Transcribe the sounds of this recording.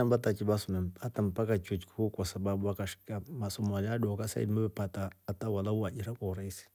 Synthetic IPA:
ambatat͡ʃibasumɛmpatampakat͡ʃut͡ʃkukasababuakaʃkamasomaladɔkasa̰ḭdmubɛpataːtawalauad͡ʒiɾakɔɾaisi̥

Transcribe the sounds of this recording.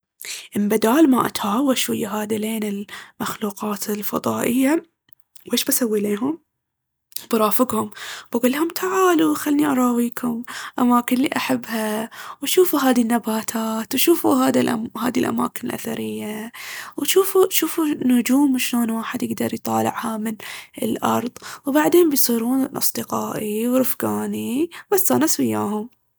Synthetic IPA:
ʔɪmbad̪aːlma̰ʔa̰t̪haːwaʃwajːaɦaːd̪ileːnɪlmaxluːqɑːt̪ɪlfɑ̰ðˤɑːʔɪjːa | wʔeːʃbasawːileːɦʊm | bɾˤɑːfɪɡhʊmb̥aɡulːihʊmt̪ʰaʕaːluxalniʔɑɾˤɑːwiːkʰʊmʔamaːkɪnlːḭːʔaħabːhawʃuːfuɦaːðinːabaːt̪ʰaːt̪wʃuːfuɦaːd̪iʔha̰ːd̪ilʔa̰ma̰ːkɪnɪlʔa̰θa̰ɾɪjːawʃuːfuʃuːfunʊd͡ʒuːmʃloːnwaːħɪd̪jɪɡd̪ɑɾˤjt̪ˤɑ̰ːlɪ̰ʕhamɪnɪ̰lʔɑ̰ɾˤðˤwbaʕd̪eːnmbɪjsˤiːɾuːnʔɑ̰sˤd̪ɨqɑːʔiwɾɪfɡaːnibasːaːnaswɪjːaːɦʊm

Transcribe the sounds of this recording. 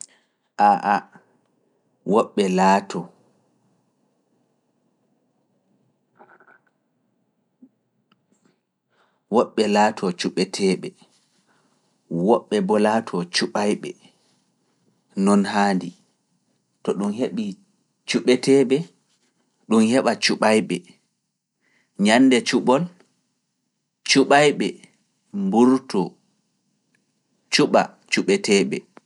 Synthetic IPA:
ʔaʔa | wɔɓːɛlatʰɔ | wɔɓːɛlaːtʰɔt͡ʃuɓɛtʰɛːɓɛ | wɔɓːɛbɔlaːtʰɔt͡ʃuɓajɓɛ̰ | nɔnɦaːndi | tɔɗumheɓi | t͡ʃuɓɛtʰɛɓɛ | ɗumhɛɓat͡ʃuɓajɓɛ | ɲanːdɛt͡ʃuɓɔl | t͡ʃuɓajɓɛ | mbuɾtɔ | t͡ʃuɓa | t͡ʃuɓɛtɛːɓɛ

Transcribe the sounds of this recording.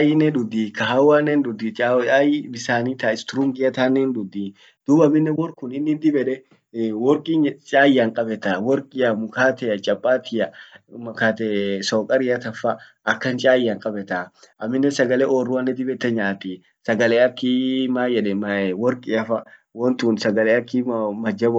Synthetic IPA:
ajɪnɛᶑ̪ʊd̪ikɐɦawaːnːɛnd̪ʊd̪it͡ʃʼaajbɪsaːnit̪aɪst̪ʊɾʊŋɡɪjɐt̪aːnːɛnd̪ʊd̪ːi | d̪̥ʊbɐmːɪnːɛwɔɾkʊnɪnːɪd̪ɪbɛᶑɛ | wɔɾkʼit͡ʃʼaːjaŋkʼɐbɛt̪awɔɾkʼɪɐmʊkaːt̪ɛjɐt͡ʃʼɐpʼːaːt̪ʰɪjɐmɐkaːt̪ɛsoːkʼɐɾɪjɐt̪ɐfːɐʔɐkːɐnt͡ʃʼaːjːaŋkʼɐbɛt̪aʔɐmːɪnːɛsɐɡɐlɛʔorːʊɐnːɛd̪ɪbɛt̪ːɛɲaːt̪i | sɐɡɐleːɐkːimaːjɛᶑɛmɐwɔɾkʼɪɐfɐ | wɔnt̪uːnsɐɡɐleɐkːimɐd͡ʒɐbɔ

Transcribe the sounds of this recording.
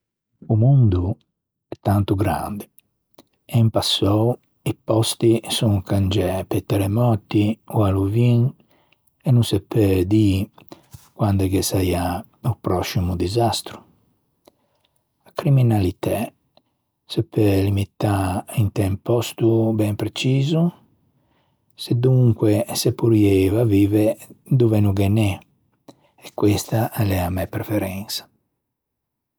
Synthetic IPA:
umund̪u | ɛt̪ːant̪uɡɾa̰nd̪e | ɛimpasːɔu | ipɔst̪isuŋkand͡ʒɛpɛt̪ːɛɾɛmɔt̪iualuviŋ | ɛnːunsɛpːɛd̪iː | kwand̪ɛkɛsaia | upɾɔsːimud̪izast̪ɾu̥ | akɾiminalit̪ɛ | sepːɛlimit̪ːaint̪ɛmpɔst̪ubɛmpɾet͡ʃiːzu | sed̪uŋkwɛsepːuɾjɛvaviːved̪uvɛnuɡɛnɛ | ɛkːwest̪aʔɛlɛamːɛpːɾefɛɾɛnsḁ

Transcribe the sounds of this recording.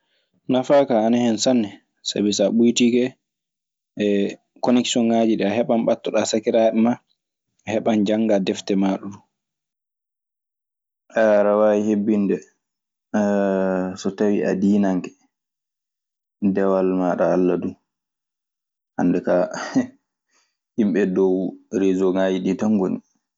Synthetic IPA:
nafaːkaːnahɛnsanːɛ | sa̰bisaɓujtiɡɛ | kɔnɛksɔnːad͡ʒiɗɛaɦɛɓamɓatːɔɗasakiɾaɗɛma | hɛɓand͡ʒaŋɡadɛftɛmaɗudu | ʔaɾawaihebːindɛ | sɔtawiʔa̰diːnaŋkɛ̥ | dɛwalmaɗaːlːadu | handɛka | himɓɛdɔwɾezɔŋaːd͡ʒiɗitaŋɡoni

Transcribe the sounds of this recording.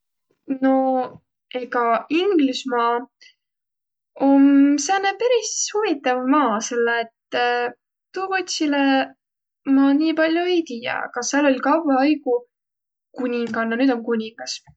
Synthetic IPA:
no̞ | eɡɑiŋɡlusmɑː | omseɑnːepæɾishuvit̪ːˑɑvmɑːse̞lːeːt̪ː | uːvot̪ʲsile | mɑːniːpɑlʲjoejt̪iːjɑ̰kɑseɑlo̞lʲkɑwvɑɑjɡ̥u | kunʲiŋɡ̥ɑnːɑnyːd̪̥o̞mkunʲiŋɡ̥ɑs

